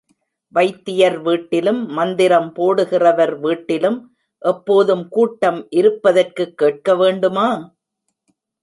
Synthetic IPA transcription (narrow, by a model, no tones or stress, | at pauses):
ʋɐɪt̪ːɪjɐɾʋiːʈːɪlɯmːɐnd̪ɪɾɐmpoːɽɯɣɪrɐʋɐɾʋiːʈːɪlɯm | ʔɛpːoːðɯmkuːʈːɐmʔɪɾɯpːɐðɐrkɯkːeːʈ̚kɐʋeːɳɖɯmaː